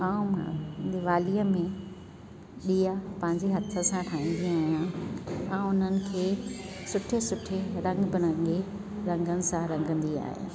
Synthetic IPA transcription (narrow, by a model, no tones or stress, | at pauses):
aːũmãeʋaːlijəmẽ | ɗiːapɐ̃ɦɪ̃ɲd͡ʑeɦɐt̪ʰə̆sãʈʰaːĩːnd̪ĩaːɦijãɛ̃ːʊn̤ənɪ̆kʰeːsʊʈʰesʊʈʰeɾɐ̃ŋɡbɪnə̃ŋɡe | ɾɐ̃ŋɡənɪ̆sãɾɐ̃ŋɡʱə̃nd̪ia̰ːɦijã̰